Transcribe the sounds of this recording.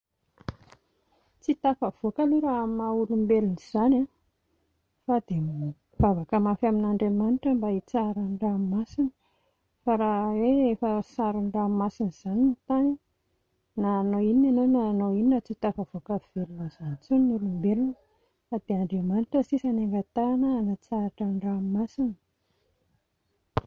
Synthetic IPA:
t͡sit̪afəv̥okaleɾamaulumbeluniz̥ana | fad̪e | vavakəmafaminaɳɖ͡ʐemanʈ͡ʂəmbait͡saɾənramasini̥ | faɾaweefəsaɾuɳɖ͡ʐamasiniz̥aninit̪ani | naːnoininanonaːnoininat͡sit̪afavokav̥elunaz̥ant͡sunnulumbelunə | fad̪eaɳɖ͡ʐemanʈ͡ʂəsisaneŋɡat̪anəːnat͡saɾaʈ͡ʂəɳrammasinə̥

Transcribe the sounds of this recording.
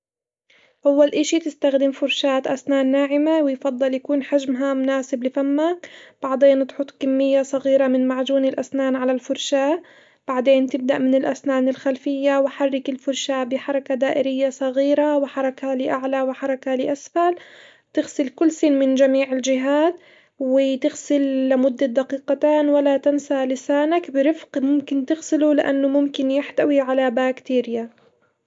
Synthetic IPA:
ʔawːalʔɪʃit̪ɪst̪axd̪ɪmfʊɾʃaːt̪ʔasnaːnːaːʕɪmawɪjfɑd̪ˤːɨljakuːnħaʒmɦamʊnaːsɪblɪfamːakb̥aʕd̪eːnt̪ħʊt̪ˤkamːɪjːasˤɑɣiːɾamɪnmaʕd͡ʒuːnɪlʔa̰snaːnʕalalfʊɾʃaː | b̥aʕd̪eːnt̪ɪb̚d̪aʔmɪnɪlʔasnaːnɪlxalfɪjːawɪħarˤːɪkɪlfʊɾˤʃabɪħɑɾˤɑkad̪aːʔɪɾɪjːasˤɑɣiːɾawɪħɑɾˤɑkalɪʔaʕlawɪħɑɾˤɑkalɪʔasfal | t̪ɪɣsɪlkʊlːsɪnmɪnd͡ʒamiːʕɪld͡ʒɪɦaːd̪ | wɪt̪ɪɣsɪlːɪmʊd̪ːad̪ɑqiːqɑt̪aːnwalat̪ansalɪsaːnakbɪɾɪfqmʊmkɪnt̪ɪɣsɪlulɪʔa̰nːʊmʊmkɪnjɪħt̪awiʕalabaːkt̪iːɾɪja

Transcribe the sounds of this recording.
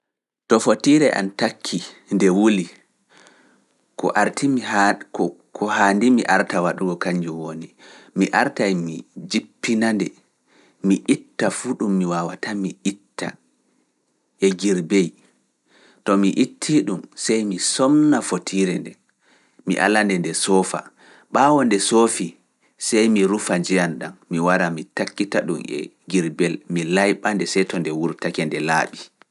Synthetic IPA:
tɔfotiɾɛʔa̰ntakʰːindɛwuli | kɔ̰ʔaɾtʰimi | kɔhaːndimḭʔaɾtawaɗuɡɔkaɲd͡ʒuwonimiʔaɾtajmid͡ʒipːinandɛ | miʔitːafuːɗumːiwawatamiʔitːa̰ | ʔɛɡiɾbej | tɔmiʔitʰːiɗumsɛjmisɔmnafotʰiɾɛndɛ | mḭʔa̰landɛndɛsɔːfa̰ | ɓawɔndɛsofi | sɛjmiɾufad͡ʒɛjanɗanmiwaɾamitakːitaɗṵmɛ̰ | ɡiɾbɛlmilajɓandɛsɛjtɔndɛwuɾtakɛndɛla̰ːɓi

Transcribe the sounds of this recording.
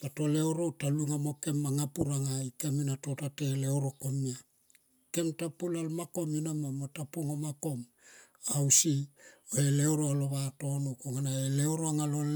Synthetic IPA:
lato̞leoɾo̞taluŋamo̞ke̞mːaŋapuɾaŋaikaminato̞tate̞lewɾo̞komia | ke̞mtapulalmako̞minamamotapoŋomako̞m | awsioelewɾoaloβato̞nokoŋanaelewɾoaŋalol

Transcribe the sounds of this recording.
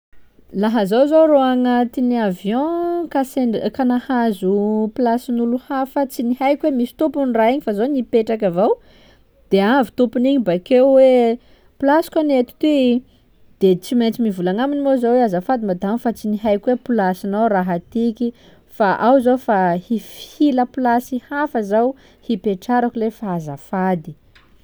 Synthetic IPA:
laɦəzowzoɾoaŋət̪iniavjɔ̃kasekanahazuplasinuluhafat͡sinihajkwemisi̥t̪upunraiɲifazonipeʈ͡ʂakavaw | d̪̥eavit̪upuniɲibakewwe | plasi̥kanet̪i̥t̪i | d̪̥et͡siment͡simivulaŋaminimozaweazafad̪imad̪amfat͡siniɦajkwepulasinawraɦat̪iki | faʔawzawfahifi̥hiləpilasihafəzaw | hipeʈ͡ʂaɾakulefaaza̰fad̪i

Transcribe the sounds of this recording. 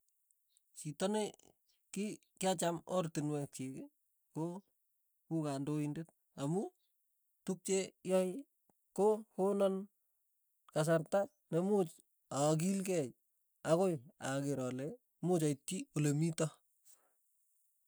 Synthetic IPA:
t͡ʃitɔne | ki | kjat͡ʃamɔrtɪnwɛk̚t͡ʃekɪ | ko | kukandoindet̚ | amu | tuk̚t͡ʃejɔj | kohonɔn | kas̬artak̚nemut͡ʃ | ak̬ilkɛj | akoja̰keɾɔle | mʊt͡ʃaitːiolemitɔ

